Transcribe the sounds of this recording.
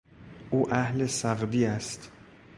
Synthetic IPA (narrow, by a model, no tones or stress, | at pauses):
ʔuːʔæhlesæɣd̪iːæst̪